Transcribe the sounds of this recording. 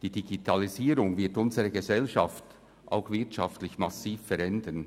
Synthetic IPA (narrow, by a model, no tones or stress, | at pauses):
d̥iːd̥iɡitʰɑliziːɾʊŋvɪɐtʊnzəʁəɡəzɛlʃɑft | ʔa̰ʊxvɪɐtʃɑftlɪçmɑsiːfːɛɾɛndən